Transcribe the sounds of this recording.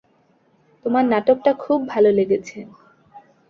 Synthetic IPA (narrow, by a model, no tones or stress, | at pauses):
t̪omaɾnaʈokʈakʰubːʱaloleɡet͡ɕʰe